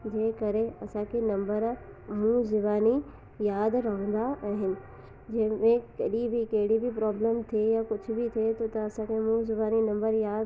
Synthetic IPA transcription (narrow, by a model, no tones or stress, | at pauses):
d͡ʑẽːkɐɾeɐsãkʰenɐ̃mbəɾ | mũzɪbaːni | jaːd̪ɾɐɦə̃nd̪aʔaːɦɪnɪ̆ | d͡ʑɐ̃ɦɪ̃mẽkɐɗibʱɪkɐɦɪɽibʱɪpɾaːblemt̪ʰiejakʊd͡ʑʱʊbɪt̪ʰiet̪ʰot̪ɐːsãkʰemũzɪbaːninɐ̃mbəɾjaːd̪